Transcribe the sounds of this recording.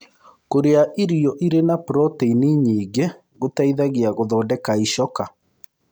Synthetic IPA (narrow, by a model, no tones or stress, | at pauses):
koɾeaʔiɾiɔʔiɾenapɾɔteiniɲiːɡe | ɣotaiðaɣiaɣoðɔːdɛkaiʃɔka